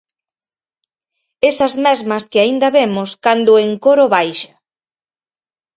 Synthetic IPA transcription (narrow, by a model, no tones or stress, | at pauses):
esɐzmɛzmɐskɪaind̪ɐβemʊskand̪ʊeŋkoɾʊβajʃḁ